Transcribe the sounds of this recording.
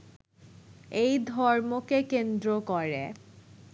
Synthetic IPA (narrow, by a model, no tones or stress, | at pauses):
ejd̪ʱɔɾmokekend̪ɾokɔɾe